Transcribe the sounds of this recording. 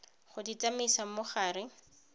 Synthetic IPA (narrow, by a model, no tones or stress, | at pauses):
χʊdit͡samisamʊχaːrɪ